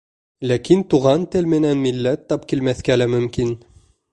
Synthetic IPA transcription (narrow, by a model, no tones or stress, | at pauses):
lækint̪uʁɑnt̪ɘlmɘ̆nænmilːæt̪ːɑpkilmæθkælæmɵ̆mkin